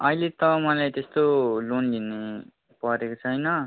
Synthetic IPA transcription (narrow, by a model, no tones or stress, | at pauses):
ʌilet̪ʌmʌlajt̪est̪olonline | pʌɾekot͡sʰʌjnʌ